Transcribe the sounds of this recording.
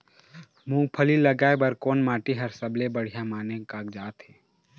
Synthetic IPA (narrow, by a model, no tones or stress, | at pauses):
mũːpʰəliləɡaːebəɾkoːnmaːʈiɦɐɾsəblebəɽ̤ijamaːnekaːkd͡ʒaːt̪ɦeː